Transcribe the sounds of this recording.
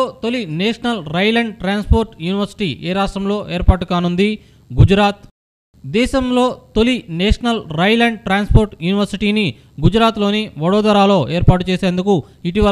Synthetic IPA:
oːt̪olineːʂɐnɐlɾɐjlɐɳɖʈɾaːnspoːɾʈjuːniʋɐɾsi̥ʈiːʔeːɾaːsʈɾɐmlo̞ːʔeːɾpaːʈukaːnund̪i | ɡud͡ʒɾaːt̪ | d̪ɛːʃɐmlo̞ːt̪olineːʂɐnɐlɾɐjlɐɳɖʈɾaːnspoːɾʈjuːniʋɐɾsiʈiːni | ɡud͡ʒɾaːt̪lo̞ːniʋɐɽɔːd̪ɐɾaːlo̞ːʔeːɾpaːʈut͡ʃeːseːnd̪uku | iʈiʋɐ

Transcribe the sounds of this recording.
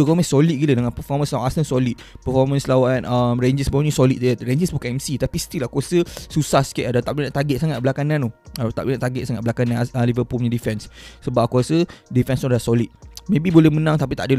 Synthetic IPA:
okomasolit̪̚ɡilədəŋanpəfɔmə̃nslawanasənsɔlit̪̚pəfɔmə̃nslawanəmɾend͡ʒisbuɲĩsɔlit̪̚ɾeɲd͡ʒisbukaɛmsit̪apist̪ilahkuasəsusahskɛʔadat̪aʔblinãʔt̪aɡɛt̪̚saŋat̪̚bəlakanãnoat̪a̰ʔblunãʔt̪aɡɛt̪̚saŋat̪̚blakanãnəlivəpulɲãdifɛnsːəbap̚kuwasədifɛnsnɔdlahsolit̪̚mẽbibolɛmənãŋt̪apit̪a̰ʔdəl

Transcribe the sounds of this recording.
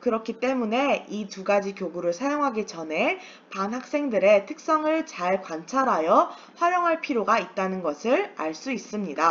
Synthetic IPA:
kɯɾʌkʰit͈e̞mune̞ituɡad͡ʑikjoɡuɾɯɭsʰajoŋɦaɡit͡ɕʌnɦe̞ | panɦak̚s͈e̞ŋdɯɾe̞tʰɯ̥k̚s͈ʌŋɯɭt͡ɕaɭkant͡ɕʰaɾɦajʌ | ɸwaɾjoŋɦaɭpʰiɾjoɡait̚t͈anɯnɡʌsʰɯɭaɭs͈uis͈ɯmɲida

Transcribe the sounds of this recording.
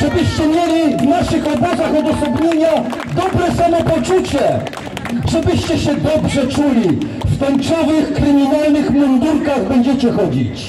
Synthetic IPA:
ʐɛbɘɕt͡ɕɛmʲjelʲivnaʂɘxɔbɔzaxɔd̪ɔsɔbɲeɲa | d̪ɔbɾɛsamɔpɔt͡ʂut͡ɕɛ | ʐ̥ɛbɘɕt͡ɕɛɕɛd̪ɔbʐɛt͡ʂulʲi | ft̪ɔnt͡ʂɔvɘxkɾɘmʲinalnɘxmɔnd̪uɾkaɣbɛɲd͡ʑɛt͡ɕɛxɔd͡ʑḭt͡ɕ

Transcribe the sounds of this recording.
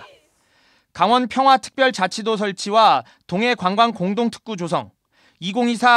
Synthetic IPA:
kaŋwʌnpʰjʌŋɦwatʰɯ̥k̚p͈jʌɭt͡ɕat͡ɕʰidosʰʌɭt͡ɕʰiwa | toŋe̞kwaŋɡwankoŋdoŋtʰɯ̥k̚k͈ud͡ʑosʰʌŋ | iɡoŋisʰa

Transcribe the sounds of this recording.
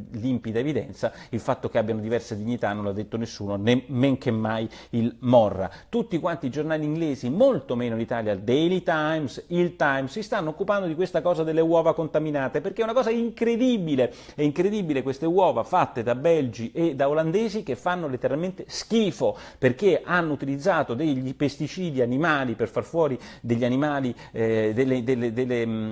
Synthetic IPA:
limpid̪aevid̪ɛ̰nt̪sailfat̪ːokeabːjanod̪ivɛrsed̪iɲːit̪anːõnlad̪ːet̪ːonesːuːnonemːeŋkemːajilmɔrːa̰t̪ut̪ːikwant̪id͡ʒornaːliːŋɡleːzimolt̪omeːnoinit̪aːljad̪elit̪ajmsilt̪ajmsːist̪anːookːupand̪od̪ikwest̪akɔːzad̪elːewɔːvakont̪aminaːt̪eperk̟eɛunakɔːzaiŋkɾed̪ibile | ɛiŋkɾed̪iːbilekwest̪ewɔːvafat̪ːed̪abɛld͡ʒiʔed̪aoland̪eːzik̟efːanːolet̪ːeɾalment̪eskiːfoperk̟eʔanːout̪ilid̪zːaːt̪od̪eʎːipest̪it͡ʃiːd̪ianimaːliperfarfwɔːɾid̪eʎːianimaːli | d̪elːed̪elːed̪elːe

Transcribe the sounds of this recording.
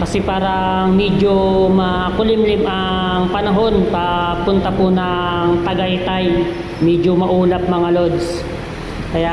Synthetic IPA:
kɐsɛpaːɾɐ | ŋmɛd͡ʒomɐ | kʊlɪmlɪmʔɐ | ŋpɐnɐɦo̞npɐpʊnt̪ɐpʊnɐŋt̪ɐɡajt̪aj | mɛd͡ʒomɐʔuːlɐp̚mɐŋalod̪s | kɐja

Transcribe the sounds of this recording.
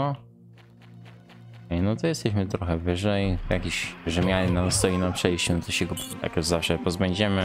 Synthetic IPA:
ɔ | kɛjnɔt̪ɔjɛst̪ɛɕmɘt̪ɾɔxɛvɘʐɛjjakʲiɕʐɛmʲjalnamst̪ɔjinapʂɛjɕt͡ɕɛnɔt̪ɔɕɛɡɔja̰kjuzafʂɛpɔzbɛɲd͡ʑɛmɘ

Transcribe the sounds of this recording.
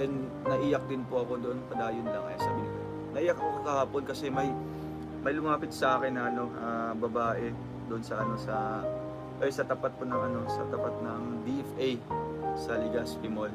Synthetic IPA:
ɛn | nɐʔiːjɐk̚d̪ɪnpoɐko̞d̪oʔonkɐd̪aːjonlɐŋʔɐ̰jasaːbinɪka | nɐʔiːjɐk̚ɐkookɐhaːponkɐsɛmɐj | mɐjlʊmaːpɪt̪̚sɐʔaːkɪnːɐʔɐno̞ʔabɐbaːʔɛ | d̪oʔonsɐʔɐno̞sɐ | ʔojsɐt̪ɐpat̪̚ponɐŋʔɐno̞sɐ̰t̪ɐpat̪̚nɐŋd̪iʔɛfʔejsɐlɪɡɐspɪmol

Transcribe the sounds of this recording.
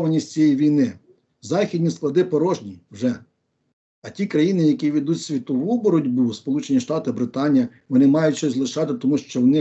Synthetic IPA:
ʋɐnʲisʲt͡sʲijɛjʋʲijnɪ | zɑxʲidʲnʲisklˠɐd̪ɪpɔɾɔʒnʲiwʒɛ | ɐtʲikɾɐjinɪjɐkʲiʋʲid̪utʲsʲʋʲit̪ɔʋubɔɾɔdʲbuspɔlˠut͡ʃenʲiʃt̪ɑt̪ɪbɾɪt̪ɑnʲijɐ | ʋɔnɪmɑjʊt̚ʲt͡ʃɔzlˠɪʃɑt̪ɪt̪ɔmuʃt͡ʃɔɔnɪ

